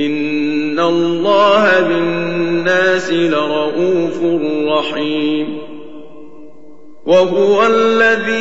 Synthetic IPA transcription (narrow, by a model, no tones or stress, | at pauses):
ʔɪnː | alːɑːɦabɪnːaːsɪlaɾˤɑʔuːfʊrˤːɑħiːm | waɦʊwalːaðiː